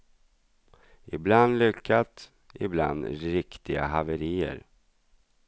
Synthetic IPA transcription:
ɪbland̪lʏkʰːat̪ | ɪ̰bla̰nd̪ɾɪkt̪ɪɡaɦavəɾiːə̰ɾ

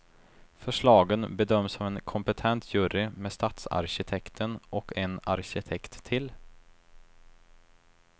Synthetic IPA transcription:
fœʂɭɑːɡənbɛd̪œmːsɔvɛnkʰɔmpət̪ʰɛnt̪ʰjʉːɾɪmeːst̪ɑːt̪sa̰ɾɕɪt̪ʰɛkt̪ʰənʔɔkʰɛna̰ɾɕɪt̪ʰɛkt̪ʰːɪl

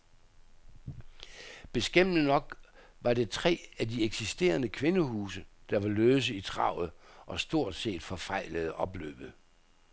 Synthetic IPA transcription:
b̥e̝sɡ̥em̰nənɒ̽ɡ̥ | ʋɑ̈de̝t͡sʰʁɛ̰ːædieɡ̥sisd̥e̝̰ːɐnəkʰʋe̝nəhuːsəd̥ɑ̈ʋɑ̈løːs̬əit͡sʰʁɑ̈ʊ̰ð̩ˠʔɒ̽sd̥o̝ɐ̰d̥se̝̰ːd̥fɒ̽fɑ̈ɪ̰ləð̞̩ˠʔɒ̽b̥lø̰ːb̥ð̩ˠ

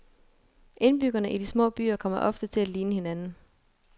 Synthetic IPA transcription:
ʔe̝nb̥yɡ̥ɐnəʔid̥ismɔ̰̽ːb̥y̰ːɐkʰɒ̽m̰ɐʔɒ̽fd̥ət͡sʰe̝læliːnəhe̝nænn̩

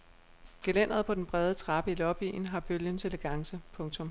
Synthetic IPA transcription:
ɡ̥elen̰ɐðˠpʰɒ̽d̥enb̥ʁɛð̞ˠət͡sʰʁɑ̈b̥əilɒ̽b̥ḭːn̩ɦɑ̈b̥øljənseləɡ̥ɑ̈ŋsəpʰɔ̽ŋt͡sʰɔ̽m

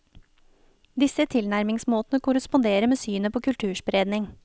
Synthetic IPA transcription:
d̪ɪsət̪ʰɪlnæɾmɪŋsmoːt̪ənəkʊɾəspʊnd̪eːɾəmeːsyːnəpʰoːkʰʉlt̪ʰʉːʃbɾeːd̪nɪŋ

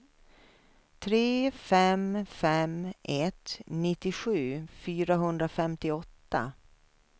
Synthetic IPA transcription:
t̪ʰɾeːfɛmfɛmʔɛt̪nɪt̪ːɪɧʉ̟ːfyːɾaɦɵnd̪ɾafɛmt̪ɪɔt̪ːa̰

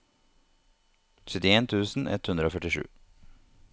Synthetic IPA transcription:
ʃʏt̪ɪeːnt̪ʰʉːsn̩ʔɛ̰t̪hʉnd̪ɾəoːfœʈɪʂʉ̰ː

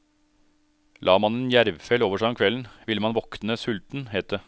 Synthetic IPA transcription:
lʔɑːmɑneːnjæɾʋfɛloːʋəʂæːɔmkʰʋɛln̩ʋɪləmɑnʋɔknəsʉlt̪n̩heːt̪̚d̪ə

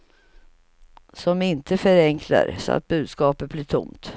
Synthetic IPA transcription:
sɔmɪnt̪ʰəfœɾɛŋkʰla̰ɾsɔ̰a̰t̪̚bʉ̟ːd̪skɑːpət̪̚blɪːʈʰʊ̰mt̪

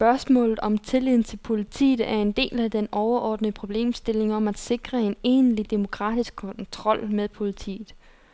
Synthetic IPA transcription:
sb̥ɶɐsmɔ̰̽ːlð̩ˠɒ̽mt͡sʰe̝lið̰ˠn̩t͡sʰe̝lpʰo̝lit͡sʰḭːð̩ˠæɐe̝nd̥e̝̰ːlæd̥enɒʊɐʔɒ̰ːd̥nəpʰʁo̝b̥le̝̰ːmsd̥e̝le̝ŋɒ̽mæd̥se̝ɡ̥ʁɐe̝ne̝̰ːnlid̥e̝mo̝kʰʁɑ̰̈ːd̥isɡ̥̚kʰɒ̽nt͡sʰʁɒ̽l̰meðˠpʰo̝lit͡sʰḭːð̩ˠ

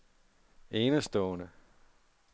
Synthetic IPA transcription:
eːnəsd̥ɔːnə

